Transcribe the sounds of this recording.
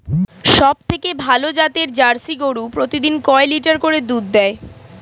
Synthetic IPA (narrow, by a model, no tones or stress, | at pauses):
ʃɔb̚t̪ʰekebʱalod͡ʑat̪eɾd͡ʑaɾsiɡoɽupɾot̪id̪inkɔeliʈaɾkoɾed̪ud̪ːɛe